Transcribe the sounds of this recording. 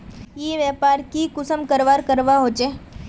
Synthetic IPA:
jeʋjaːpaːɾkikʊsəmkəɾʋaːɾkəɾʋaɦoːt͡ʃeː

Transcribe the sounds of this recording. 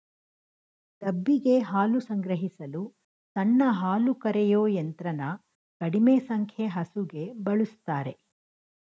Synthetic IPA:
t̪ɐbːiɡe̞ɦaːlusɐŋɡɾɐɦisɐlu | t̪ɐnːɐɦaːlukɐɾɛjoːjent̪ɾɐnɐ | kɐɽimeːsɐŋkʰjeɦɐsuɡe̞bɐɭust̪aːɾe̞

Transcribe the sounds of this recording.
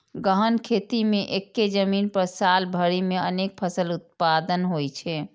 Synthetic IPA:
ɡəɦənkʰet̪imeʔekːed͡ʒəminpəɾsalbʱəɾimeənek̚pʰəsəlut̪̚pad̪ənɦojt͡ʃʰɛ

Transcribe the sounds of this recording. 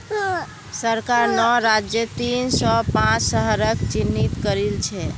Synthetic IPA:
səɾkaɾnɔɾad͡ʒjət̪insɔpãt͡ʃsəɦəɾəkt͡ʃinːit̪kəɾilt͡ʃʰɛ

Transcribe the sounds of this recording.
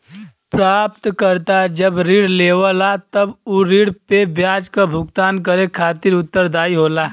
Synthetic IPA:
pɾaːp̚t̪kəɾt̪ad͡ʒəbɾiːɽleːʋəlat̪ɐbuɾiːɽpebjaːd͡ʒkabʱʊɡt̪aːnk̬əɾekʰaːt̪ɪɾʊt̪ːəɾd̪aːiɦoːlaː

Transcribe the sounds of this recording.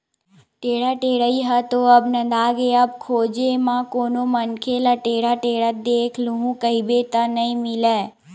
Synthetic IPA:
ʈeːɽaʈeːɽəiɦət̪oɐbnɐ̃d̪aːɡeɐb̚kʰoːd͡ʒemãkoːnomənkʰelaʈeːɽaʈeːɽad̪eːkʰluɦũkəibet̪anɐĩmɪlɛː

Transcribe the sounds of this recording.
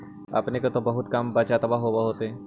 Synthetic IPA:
ɐ̰pnekot̪obɐɦʊt̪kambɐt͡ʃat̪ɐbaɦobaɦoːt̪eɦɛ̃ː

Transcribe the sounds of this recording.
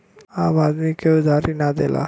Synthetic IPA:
aːmaːd̪mikeud̪ʱaːɾinad̪ela̰

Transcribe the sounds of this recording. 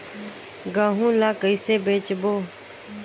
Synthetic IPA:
ɡãːɦũːlaːkəiseːbeːt͡ʃboː

